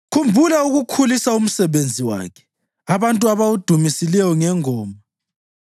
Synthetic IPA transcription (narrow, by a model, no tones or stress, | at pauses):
kʰumbʱulauɣukʰulisaum̩sɛβend͡zʱiwa̰ːkʰɛ̥ | aβantʼuaβaud̥ʱumisilɛjɔŋɛŋɔːma